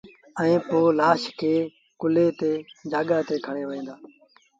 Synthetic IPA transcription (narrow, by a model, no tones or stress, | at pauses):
ɛĩːpoːlaːʃkʰeː | kʊleːt̪eːd͡ʒaːɠaːt̪eːkʰəɳ̃eːʋəẽːd̪aː